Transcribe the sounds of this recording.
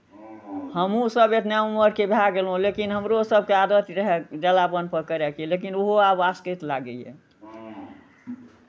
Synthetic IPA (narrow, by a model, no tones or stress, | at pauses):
həmũsəbet̪nauməɾkebʱjaɡelɦũlekinɦəmɾosəb̚ʱkead̪ət̪ɾəɦɛd͡ʒɛlabənpəɾkəɾɛkilekinoɦoabaskət̪laɡəɛ̰